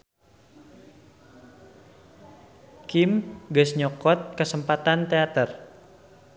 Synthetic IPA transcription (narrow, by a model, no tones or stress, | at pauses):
kimɡasɲɔkɔt̪̚kəsəmpat̪ant̪eat̪ər